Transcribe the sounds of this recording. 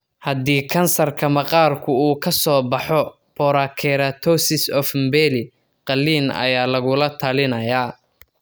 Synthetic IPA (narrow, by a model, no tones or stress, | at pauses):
hɐd̪iːkʰɐnsɐrkʰɐmɐqɑːrkʰʊuːkʰɐsɔːbɑħɔ | b̥ʰɔɾakʰɛɾat̪ʰɔsɪsɔfmbɛlɪ | qɑlːiːnɐ̰jaːlɐɣʊlɐt̪ʰɐlɪnɐjaː